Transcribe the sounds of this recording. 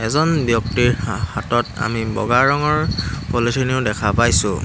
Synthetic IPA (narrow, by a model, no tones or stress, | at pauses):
ɛzɔnbjɔk̚tiɹhatɔta̰mibɔ̰ɡaɹɔŋɔɹpolisʰɔniʊdɛkʰapajsʊ̰̃